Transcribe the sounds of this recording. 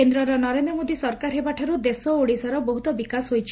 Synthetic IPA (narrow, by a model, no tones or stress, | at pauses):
end̪ɾɔɾɔnɔɾend̪ɾɔmod̪isɔɾkaɾɦebaʈʰaɾud̪esɔoɽisaɾɔbɔɦut̪ɔbikasɦojt͡ʃʰ